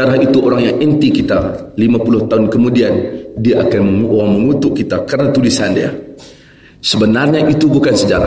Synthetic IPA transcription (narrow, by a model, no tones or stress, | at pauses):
aɾahit̪uʔoɾaŋjaŋɛnt̪ikit̪alimapulʊht̪aʊnkəmudiandiaʔakanməoaŋməŋut̪ʊʔkit̪akəɾənat̪ulisandia̰ | səbənarɲaʔit̪ubukansəd͡ʒa̰ɾa̰